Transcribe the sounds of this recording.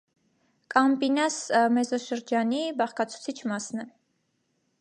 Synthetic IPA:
kʼɑmpinɑsmɛzɔʃəɾd͡ʒɑnibɑχkɑt͡sʰu̥t͡sʰit͡ʃʰmɑsnɛ

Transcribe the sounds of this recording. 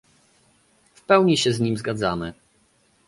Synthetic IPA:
fpɛwɲiɕɛzɲimzɡad̪zamɘ

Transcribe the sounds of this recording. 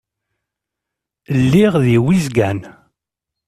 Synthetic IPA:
əlːiʁðiwizɡæn

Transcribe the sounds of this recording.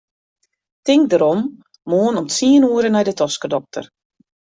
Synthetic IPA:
tɪŋk̚dəɾɔm | moːənɔmtsiənuəɾənɛjdətɔskədɔk̚tə̰r

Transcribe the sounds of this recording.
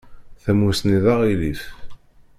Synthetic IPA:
θæmusniðɑʁiliθ

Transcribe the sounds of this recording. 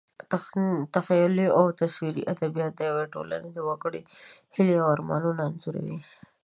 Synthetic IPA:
t̪axajʊliawt̪aʃwiɾḭʔad̪abijɑt̪̚d̪əjaweʈo̰la̰ned̪awɑɡəɽihɪliaaɾmɑ̰nunaːnzuɾa̰wi

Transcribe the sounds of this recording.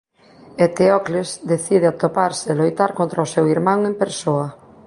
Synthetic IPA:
et̪eɔklesd̪eθið̞eat̪opaɾsɪlojt̪aɾkont̪ɾaʊsewiɾmãŋempeɾsoɐ

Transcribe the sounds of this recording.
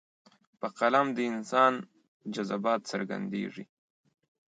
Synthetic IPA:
pəqalamd̪əɪnsɑn | d͡ʒazabɑt̪səɾɡa̰nd̪ḛʐḭ

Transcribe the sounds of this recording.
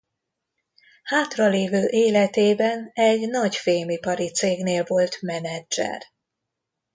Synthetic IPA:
haːt̪rɒleːvøːʔeːlɛt̪eːbɛnɛɟnɒɟfeːmipɒɾit̪seːɡneːlvo̞lt̪mɛnɛd͡ʒɛ̰r

